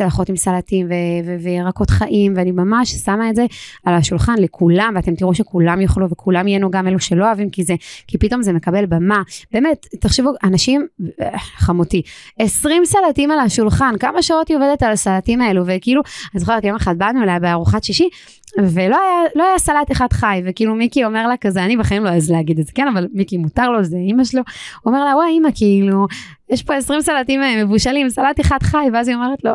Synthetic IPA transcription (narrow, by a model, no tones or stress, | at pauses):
elaχo̞timsalatimveveveʁako̞tχaʔimveanimamaʃsamaetze̞alhaʃulχanlekʰulamveat̪e̞mtiʁuʃe̞kulamjoχluvekʰulamjenuɡameluʃe̞lo̞aːvimkizekipito̞mzeme̞kabe̞lbamab̥e̞ːme̞tːaχʃivuʔanaʃim | χamutiesʁimsalatimalaʃulχankamaʃao̞tnioved̪etalasalatimaeluvekiiluanizoχeetjo̞meχad̪̚banulajabeaʁuχaʃiʃi | ve̞lo̞ajalo̞ajasalateχad̪χajvekiilumikio̞meʁlakazeanibeχaimloezleaɡid̪etzekenavalmikimutaʁlozeimaʃloome̞ʁlawaimakeilu | jeʃpo̞e̞sʁimsalatimeme̞vuʃalimsalateχad̪χajveazio̞me̞ʁetlo